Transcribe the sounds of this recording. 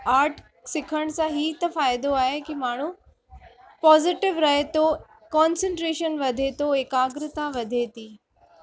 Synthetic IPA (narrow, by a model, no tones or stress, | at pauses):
aːɾʈʰ | sɪkʰəɽ̃sãɦiːt̪ɐfaːɪd̪oaːɦekimaːɳ̤ũ | pɔːzɪʈɪʋɾɐɦet̪o | kɔːnsə̃ɳʈɾeːʃənʋɐd̪ʱet̪oɦɪkaːɡɾɪt̪aʋɐd̪ʱet̪iː